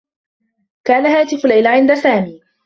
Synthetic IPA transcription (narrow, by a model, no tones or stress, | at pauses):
kaːnaɦaːt̪ɪflːajlʕɪnd̪asaːmiː